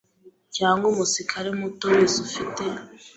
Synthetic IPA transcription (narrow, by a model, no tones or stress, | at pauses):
caːŋɡumusikʰaɾemutowesufite